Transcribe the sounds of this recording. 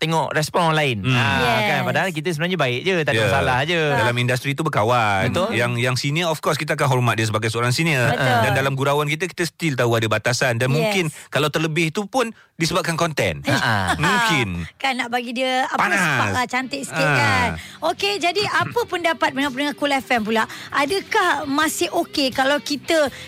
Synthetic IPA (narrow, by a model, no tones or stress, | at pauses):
t̪eŋɔʔrɛspɔnɔnlaɪnkanpadaɦalk̬it̪əsəbənaɲəbaɪʔd͡ʒət̪ajasalahd͡ʒədalamindast̪ɾit̪̬ubəkawanjaŋjaŋsiniəɔfkɔskit̪əak̬anɦɔrmat̪̚disəbaɡajsəoɾaŋsiniərədandalamɡuɾawank̬it̪əki̥t̪əsə̥t̪ilt̪auadabat̪asandanmũŋkɪnkalawt̪ərləbɪhit̪upʊn | disəbap̚kankɔnt̪ɛ̰nmũŋkɪnkanːaʔbaɡidiəapaaaspasat͡ʃant̪ɪʔsə̥kiʔkan | oked͡ʒadiʔapəpʊndapat̪̚məŋapənəŋakulɛfɛnp̬ulaʔʔadəkahmãsɪhokekalawkit̪ə